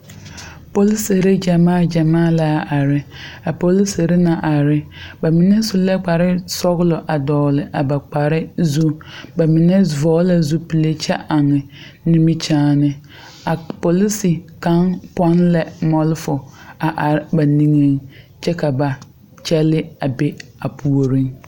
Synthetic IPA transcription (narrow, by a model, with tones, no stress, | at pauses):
po˨li˦se˨ɾe˦d͡ʒa˨maː˦˨d͡ʒa˨maː˦˨la˦ʔa˨ɾɪ˦a˨po˨li˦se˨ɾe˦na˨ʔa˨ɾɪ˦ba˨mɪ˨nɛ˦sʊ˦lɛ˦k͡pa˨ɾɪ˦sɔ˦ɣlɔ˨ʔa˨dɔː˨lɪ˨ʔa˨ba˨k͡pa˨ɾɪ˦zu˦ba˨mɪ˨nɛ˦vɔː˦la˨zu˦pi˨le˦t͡ʃɛ˦ʔa˨ŋɪ˨ | nĩ˦mi˦t͡ʃaː˦nɪ˦ | a˨po˨li˦si˨ka˦ŋpɔ˦nlɛ˦mɔ˦lɪ˦fʊ˨a˨ʔa˨ɾɪ˦ba˨nĩ˦ŋe˦ŋ | t͡ʃɛ˦ka˨ba˨ | t͡ʃɛ˦lɪ˦a˨be˦a˨pʰu˨o˨ɾĩ˦ŋ